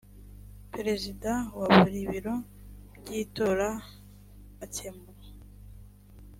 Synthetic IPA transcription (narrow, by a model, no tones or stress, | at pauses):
peɾezidawaβuɾiβiɾo̞ | bɟiːtoɾaː | cembu